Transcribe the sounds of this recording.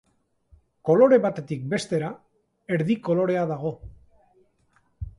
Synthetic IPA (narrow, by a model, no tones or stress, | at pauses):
ko̞lo̞ɾe̞βat̪e̞t̪ik̚be̞st̪e̞ɾa | e̞ɾðiko̞lo̞ɾe̞aðaɣ̞o̞